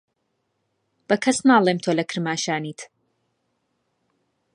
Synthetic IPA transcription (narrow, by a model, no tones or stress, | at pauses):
b̥ɐkʰɐsnaːlˠeːmt̪ʰoːlɐkʰɨɾmaːʃaːniːt̪